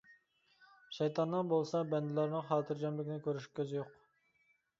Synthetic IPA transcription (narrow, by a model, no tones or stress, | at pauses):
ʃɛjt̪ʰɑnːɨnbolˠsɑbɛnd̪ɪlæɾnɨχɑːt̪ʰɨɾd͡ʒɑmlɪkʲɪnɪkʲøɾyʃkʲʰøzɪjoq